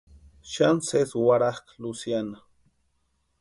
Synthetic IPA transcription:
ʃanseswaɾahklusjana

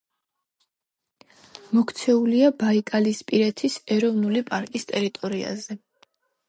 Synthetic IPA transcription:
mɔkʰt̪sʰɛuliabaikʼalispʼiɾɛt̪ʰisɛɾɔvnulipʼaɾkʼist̪ʼɛɾit̪ʼɔɾia̰zɛ

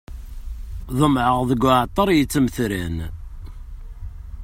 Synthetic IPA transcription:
ðˤəmʕəʁðəɡːʊʕt̪ˤːɑɾˤjət͡sːəmθɾæn

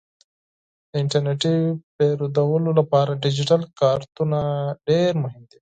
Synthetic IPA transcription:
d̪əɪɳʈɐɾneʈipeɾud̪ɐwʊlolapɑːɾaɖɪd͡ʒiʈɐlkaːɾt̪unaɖeːɾmʊɦɪmd̪i

